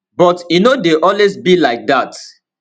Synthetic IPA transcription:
bɔtjunodeʔɔlwezbilaɪk̚dat

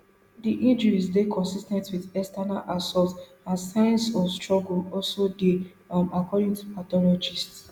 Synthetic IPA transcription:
diʔĩnd͡ʒəɹisdekʰɔ̃nsistɛ̃ntwiðɛstanalʔasɔlt | ãnsajãnsɔstɹɔɡulɔlsode | makɔɾĩŋtupatɔlɔd͡ʒists

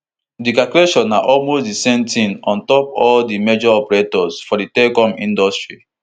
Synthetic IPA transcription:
dikakɾeʃɔ̃nːaʔɔlmosdisɛ̃mtĩnɔ̃ntɔpɔldimed͡ʒɔɔpɛɹetɔsfɔditɛkɔ̃mĩndɔstɹi

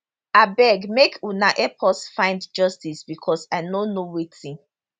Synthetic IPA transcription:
abɛɡmekunaʔɛpʰɔsfãɪ̃ndd͡ʒɔstisbikʰɔsaɪnonowitĩn

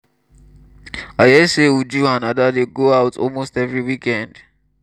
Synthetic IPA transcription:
ajɛsewud͡ʒuãnadadeɡoaʊtʰɔ̰lmostɛvɹiwikɛ̃nd̥

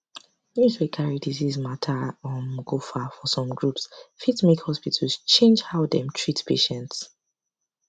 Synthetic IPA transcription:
njuzwekʰaɹidizizmatʰaɔ̃mɡofafɔsɔ̃mɡɹupsfitmikhɔspitʰlst͡ʃẽnd͡ʒhaʊdɛ̃mtʰɹitpʰeʃɛ̃nts

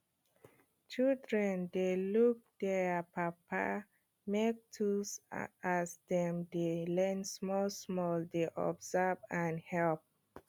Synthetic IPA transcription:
t͡ʃildɹɛ̃ndeluk̚d̥ɛpʰapʰa̰ | mek̚tʰusasdɛ̃mdelɛ̃nsmɔlsmɔldeʔɔ̰bzavãnhɛlp̚

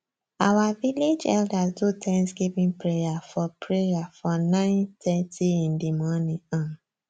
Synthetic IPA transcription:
awaviled͡ʒɛ̰ldastutʰɛ̃nsɡivĩnpɹejafɔpʰɹejafɔnãɪ̃ntɛtʰiĩndimɔ̃nĩãn

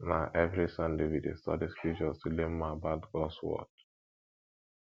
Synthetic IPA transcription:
naʔɛvɾisãndewidḛstɔ̰diskid͡ʒɔsulemːabatɡɔswɔ̰t̚

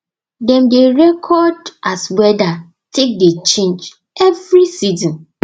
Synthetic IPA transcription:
dɛ̃mdeɹɛkʰɔdʔaswɛda | tʰek̚det͡ʃẽnd͡ʒ | ɛvɾisizɔ̃n

